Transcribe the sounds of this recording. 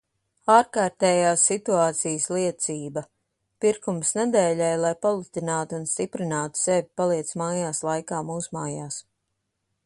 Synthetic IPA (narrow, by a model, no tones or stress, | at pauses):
aːɾkaːɾt̪ɛːjaːsːit̪uaːt̪sijəsliɛt̪siːbɐ | piɾkumsnɛd̪ɛːlɛjlˠajpalˠut̪inaːt̪ːnst̪ipɾinaːt̪u̥sɛvʲipalˠiɛt̪smaːjaːslˠajkaːmuːsumaːjaːs